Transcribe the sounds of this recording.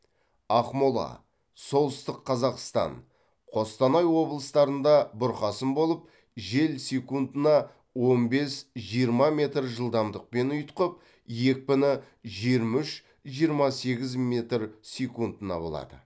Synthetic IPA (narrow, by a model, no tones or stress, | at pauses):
ɑqmolˠɑ̰ | so̞lˠəst̪əqʰːɑzɑqst̪ɑ̰n | qʰo̞st̪ɑnɑjwo̞blˠəst̪ɑɾənd̪ɑbʊɾqɑsənbo̞lˠəp̚ | ʒe̞lsekund̪ənɑ | wo̞nbe̞sʒijəɾmɑmʲe̞t̪rʒəlˠd̪ɑmd̪əq̚pe̞nʊjt̪qəp̚ | je̞k̚ʲpɪnɪ | ʒijɾmʏʃ | ʒijəɾmɑse̞ɡʲɪzmʲe̞t̪rsʲekund̪ənɑ̰bo̞̰lˠɑ̰d̪ə̰